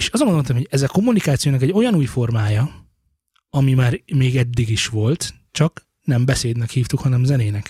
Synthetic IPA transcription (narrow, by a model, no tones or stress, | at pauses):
eːʃɒzomɡonont̪mhoɟɛzɛko̞mːunikaːt̪sijoːnɒkɛɟo̞jɒnuːjfo̞rmaːjɒ | ɒmimaːrmeːɡɛd̪ːiɡiʃʋo̞lt̪ | t͡ʃɒk | nɛmbɛseːd̪nɛkhiːft̪ukhɒnɛmzɛneːnɛk